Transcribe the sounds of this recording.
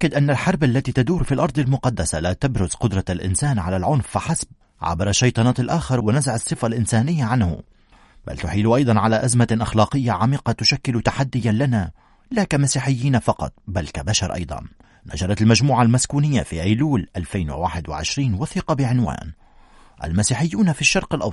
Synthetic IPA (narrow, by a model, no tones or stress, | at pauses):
ʔakːad̪ʔanːalħɑɾˤbalːat̪iːt̪ad̪uːɾfiːlʔɑɾˤd̪ˤɪlmʊqɑd̪ːasalat̪abɾʊzqʊd̪ɾˤɑlʔɪ̰nsaːnʕalalʕʊnfːɪħasb̚ | ʕa̰bɾˤɑʃːɑjt̪ˤɑnɑːt̪alʔaːxɑɾˤwɪnazaʕɑsˤːɨfalʔɪnsaːnɪjːaʕanhʊ̰ | ba̰lt̪ʊħiːlʊʔɑjd̪ˤɑnʕalaʔazmaʔaxlɑːqɨjːaʕamiːqɑt̪ʊʃakːɪlʊt̪aħad̪ːɪjalana | lakamasiːħɪjːiːnafɑqɑ̰t̪̚ˤbalkabaʃɑɾˤʔɑ̰jd̪ˤɑ̰nː | a̰ʒɑɾˤɑt̪almaʒmuːʕalmaskuːnɪjːafiʔajluːlʔalfajnwɪ̰waːħɪd̪wɪ̰ʕɪ̰ʃɾiːnwaθiːqɑbɪʕɪnwa̰ːn | ʔa̰lmasiːħɪjːuːnafiʃːɑɾˤqɪlʔɑ